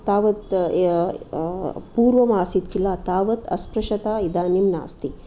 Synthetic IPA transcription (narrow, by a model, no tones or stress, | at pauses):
t̪aːʋɐt̪ | puːɾʋɐmaːsit̪̚kilaːt̪aːʋɐt̪ɐ̰spɾɐʃɐt̪aːid̪aːnimna̰ːst̪i